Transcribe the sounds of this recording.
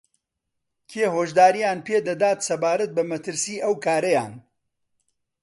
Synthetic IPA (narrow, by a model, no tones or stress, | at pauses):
kʰeːɦoːʒd̪aːɾijaːnpʰeːd̪ɐd̪aːt̪sɐbaːɾɐt̪̚bɐmɐt̪ɨɾsiːʔɐwkʰaːɾɐja̰ːn